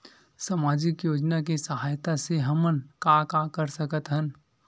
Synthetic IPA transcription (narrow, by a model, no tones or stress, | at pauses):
saːmaːd͡ʒɪkjoːd͡ʒnak̬isəɦaːjt̪aseɦɐmənkakakəɾsəkət̪ɦən